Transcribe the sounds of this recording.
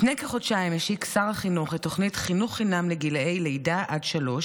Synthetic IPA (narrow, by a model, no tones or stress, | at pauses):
nejkeχo̞dʃaemeʃiksaʁaχinuχeto̞χnitχinuχːinamleɡilejlejdaʔadʃalo̞ʃ